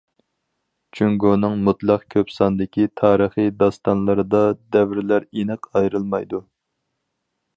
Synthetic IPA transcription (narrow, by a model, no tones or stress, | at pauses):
t͡ʃʰyŋɡonɨŋmut̪lˠɑqkʲʰøpsɑnd̪ɪkʲit̪ʰɑːɾəχɨd̪ɑst̪ɑnlˠɨɾɨd̪ɑd̪ɛvɪɾlæɾenɨqɑjɾɨlˠmɑjd̪u